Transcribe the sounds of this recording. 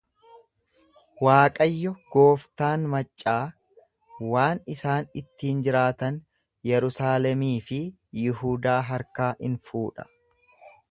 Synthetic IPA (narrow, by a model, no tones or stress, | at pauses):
waːkʼɐjːɔɡ̥oːft̪aːnmɐt͡ʃʼːaː | waːnɪsaːnɪt̪ːiːnd͡ʒɪɾaːt̪ɐn | jɛɾʊsaːlɛmiːfɪ | jɪɦuːd̪aːɦɐɾkaːʔɪnfuːᶑɐ̥